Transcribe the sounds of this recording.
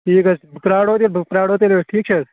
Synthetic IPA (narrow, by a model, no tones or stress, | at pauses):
ʈʰiːkɐsbʱpɾaːɽot̪elbpɾaːɽot̪eleeʈʰiːk̚t͡ʃʰe